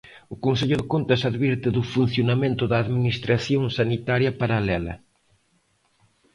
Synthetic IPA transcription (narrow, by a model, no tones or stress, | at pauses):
ʊkonseʎʊðɪkont̪ɐsaðβiɾt̪ɪðʊfun̟θjonamẽnt̪ʊðɐːðminist̪ɾaθjõŋsanit̪aɾjɐpaɾalɛlɐ̰